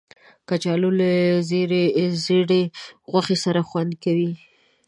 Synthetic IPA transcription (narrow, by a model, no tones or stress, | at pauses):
kat͡ʃɑlolazeɾezeɽeɣwaxesaɾaxwand̪̚kawi